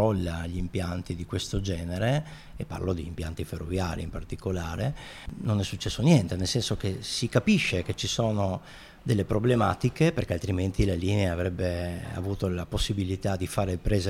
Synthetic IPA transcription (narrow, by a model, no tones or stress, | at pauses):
ɔlːaʎimpjant̪id̪ikwest̪od͡ʒɛːneɾeː | pːa̰rlod̪iːmpjant̪iferːovja̰ːɾʔḭimpart̪ikolaːɾe | nonɛsːut͡ʃːɛsːonjɛnt̪enelsɛnsokesikapiʃːek̟et͡ʃisoːno | d̪elːepɾoblemaːt̪ikeperkealt̪ɾiment̪ilaliːneaːvɾɛbːea̰vuːt̪olaposːibilit̪ad̪ifaːɾeilpɾeːze